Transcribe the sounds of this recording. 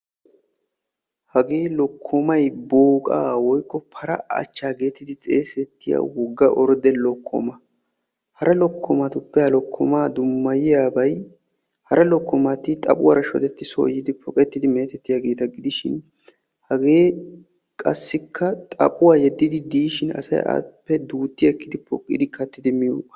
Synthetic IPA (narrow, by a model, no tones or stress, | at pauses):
hɐɡe̞ːlɔkʰːɔmɐjboːkʼa̰ːwɔjkːɔpʰɐɾɐɐ̰t͡ʃːaːɡe̞ːt̪ːɪd̪ɪt͡sʼe̞ːsɛt̪ːɪja̰wɔɡːɐʔɔɾd̪ɛlɔkʰːɔ̰mɐ | hɐɾʔɐlɔkʰːɔmɐt̪ʊpːɛhɐlɔkʰːɔmaːd̪ʊmːɐjɪjaːbɐj | hɐɾʔɐlɔkːɔmɐt̪ɪt̪ʼɐ̰pʼʊwa̰ɾɐʃɔ̰d̪ɛt̪ːɪso̰ːjɪd̪ɪpʰɔkʼɛt̪ːɪd̪ɪme̞ːt̪ɛt̪ːɪjaːɡe̞ːt̪ɐɡɪd̪ɪʃɪ̰n | hɐɡe̞ː | kʼɐsːɪkʰːɐt̪ʼɐ̰pʼʊwaːjɛd̪ːɪd̪ɪd̪iːʃɪnɐ̰sɐ̰ja̰pːɛd̪uːt̪ːɪɛkːɪd̪ɪpʰɔkʼːɪ̰d̪ɪkɐt̪ːɪd̪ɪmɪjṵ